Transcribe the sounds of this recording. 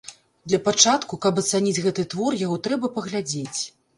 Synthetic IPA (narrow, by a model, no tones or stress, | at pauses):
d̪lʲɐpat͡ʂat̪kukapɐt̪sanʲid͡zʲɣɛt̪ɨt̪vɔrjaɣɔt̪ɾɛbɐpɐɣlʲad͡zʲet͡sʲ